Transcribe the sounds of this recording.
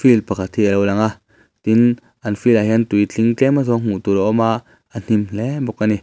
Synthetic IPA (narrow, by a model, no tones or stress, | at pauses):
filpakʰat̪hiəlowlaŋaʔ | t̪in | ʔanfilaɦiant̪ujt͡ɬiŋt͡ɬɛmazɔŋ̥ut̪ulɔʔɔmaʔ | an̥imlɛbɔkːani